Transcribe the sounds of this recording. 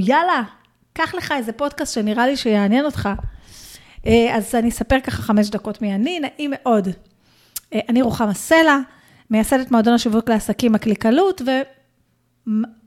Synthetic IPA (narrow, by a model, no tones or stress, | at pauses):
jala | kaχle̞χae̞ze̞po̞dkast̪ʃeniʁaliʃejeanje̞no̞t̪χa | eazanisapeʁkaχaχame̞ʃ̬dako̞tmianinaʔimeʔo̞d | ʔaniʁuχamase̞la | mejaseletmaodonaʃivukleasakimaklikalutve̞ | m